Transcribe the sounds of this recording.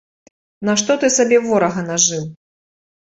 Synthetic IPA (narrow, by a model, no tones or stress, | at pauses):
naʂt̪ɔt̪ɨsabʲɛvɔɾɐɣɐnaʐɨw